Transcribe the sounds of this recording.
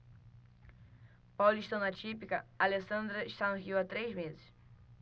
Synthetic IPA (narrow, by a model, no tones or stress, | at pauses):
pawliʃt̪ɐ̃w̃nat͡ʃipikɐalesɐ̃nd̪ɾɐiʃt̪anʊɦiwat̪ɾejzmezɪs